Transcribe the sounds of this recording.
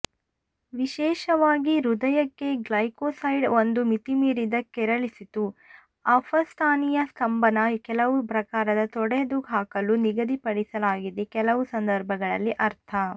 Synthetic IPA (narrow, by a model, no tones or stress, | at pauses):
ʋiʃɛːʃɐʋaːɡiɾud̪ɐjɐkːe̞ɡlɐjkoːsɐjɖond̪umit̪imiːɾid̪ɐkːɛɾɐɭisit̪u | ɐfʰɐst̪ʰaːnijɐst̪ʰɐmbɐnɐkɛlɐʋupɾɐkaːɾɐd̪ɐt̪ɔɽed̪uɡʱaːkɐluniɡɐd̪ʱipɐɽisɐlaːɡid̪ekɛlɐʋusɐnd̪ɐɾbʱɐɡɐɭɐ̰lːiʔɐɾt̪ʰɐ